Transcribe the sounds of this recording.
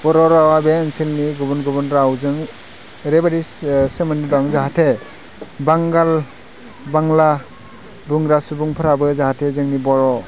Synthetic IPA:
b̥ɔɾɔɾawabeːnselniɡubɔnɡɔbɯnɾawzɯŋ | ɾebaɾisɯmɯnidɔŋzaɦatʰe | baŋɡal | baŋla | buŋɾasubuŋpʰɯɾabɯzahatʰezɯŋnibɔɾɔ

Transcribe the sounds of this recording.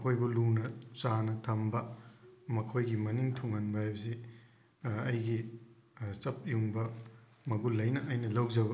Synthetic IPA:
kʰojbulunɐt͡ʃanɐtʰɐmbɐmɐkʰojɡimɐniŋtʰuŋɐnbɐhajbɐsi | ɐjɡi | t͡ʃɐp̚juŋbɐ | mɐɡulɐjnɐʔːjnɐlɐwzɐbɐ

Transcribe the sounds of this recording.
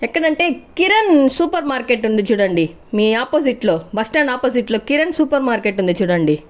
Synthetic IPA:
ɛkːɐɽɐɳʈe̞ːkiɾɐnsuːpɐɾmaːɾkeːʈːund̪it͡ʃuːɽɐɳɖi | miːaːpoːsiʈlo̞ːbɐsʈaːnaːpoːs̬iʈlo̞ːkiɾɐnsuːpɐɾmaːɾkeːʈund̪it͡ʃuːɽɐɳɖi

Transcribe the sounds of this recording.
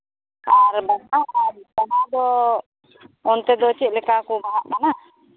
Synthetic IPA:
aɾbanabanad̪ɔ | ɔnt̪ɛd̪ɔt͡ʃiʔ̚lɛkakubaɦaʔmana

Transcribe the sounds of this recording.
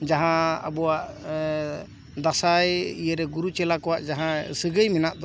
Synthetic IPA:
d͡ʒaɦãə̰bɔwaʔ | d̪asajijəɾɛɡuɾut͡ʃɛlakɔwaʔd͡ʒaɦãsəɡəjmɛnaʔd̪ɔ

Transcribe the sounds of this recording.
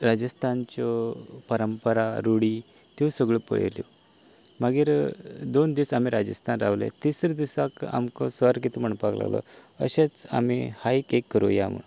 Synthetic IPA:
ɾad͡ʑəst̪ʰant͡ɕɔpəɾəmpəɾaɾuɽi | t̪isəɡɭəpə̰ɭḛljɔ̰ | maɡiɾd̪ond̪isamiɾad͡ʑəst̪ʰanɾaʋlḛt̪isɾed̪isaka̰mkɔsʋaɾkit̪ʰum̤əɳpakla̰ʋlɔ̰ə̰ɕat͡sa̰mihaikekːəɾujaamə̰

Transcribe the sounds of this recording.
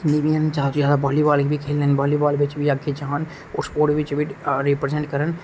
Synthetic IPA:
nibijənt͡ʃaːt̪ojaːd̪abɔːlibaːlkibʱikʰeːlnenbɔːlibaːlbʱɪt͡ʃbʱiɐɡʱid͡ʒaːn | ɔ̰ːɾspoːɾʈbʱɪt͡ʃbʱiɾipɾezɛ̃ɳʈkəɾən

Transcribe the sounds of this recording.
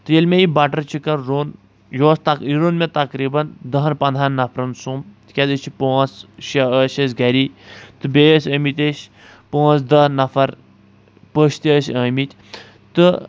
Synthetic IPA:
t̪ɨjelʲmʲẽibɐʈɐɾt͡ʃʰikɐnɾoːn | joːst̪ɐiɾoːnmʲet̪ɐkɾiːbɐnd̪ɐɦɐnpɐnd̪ɦanːɐfʰɾɐnsuːmt̪kʲɐd̪ɨt͡ʃʰipoːsʃɐəʃɐsɡɐɾit̪ɨbeːəsʲəːmit̪ʲeʃ | põːnt͡sd̪ɐnɐfɐɾ | pəʃt̪iəsəːmit̪ʲ | t̪ɨ

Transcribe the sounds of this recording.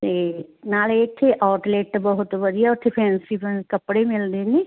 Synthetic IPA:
t̪eːnaːleːkʰːeʔaːʈleːʈbəɦʊt̪ʋəd̪ijaʊt̪ʰːepʰɛ̃ːnsipənkəpɽemɪld̪eːniː

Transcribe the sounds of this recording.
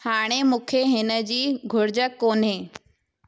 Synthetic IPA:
haːɽ̃emũːkʰeɦɪnə̆d͡ʑiːɡʱʊɾɪd͡ʑəkoːnɦeː

